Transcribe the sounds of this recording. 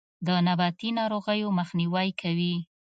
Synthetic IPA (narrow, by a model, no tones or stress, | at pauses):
d̪ənabɑt̪inɑɾoɣəjoməxniwajkʰawi